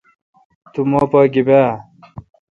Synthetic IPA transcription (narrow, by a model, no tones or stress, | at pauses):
t̪umoːpʌːɡibaː